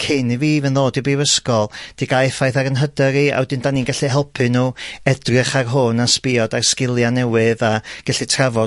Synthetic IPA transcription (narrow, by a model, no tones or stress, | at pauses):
kʰeniviːvɛnðoːdibiwəskɔlˠd̥iɡajfajθaɾənɦədɛɾia̰wɛdɪndaninɡaɬiɦɛlˠpʰɨnuːɛdrɨχarɦoːnaspiɔdarskɪlˠjanɛwɪðaɡ̥aɬitʰravɔ